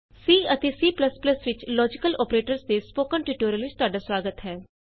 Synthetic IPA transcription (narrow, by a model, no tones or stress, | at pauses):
siːət̪eːsiːpləspləsʋɪt͡ʃlɔːd͡ʒɪkəlɔːpɾeːʈəɾsd̪eːspoːkənʈiːʈoːɾiəlʋɪt͡ʃt̪ʊaːɖaːswaːɡət̪ɦɛː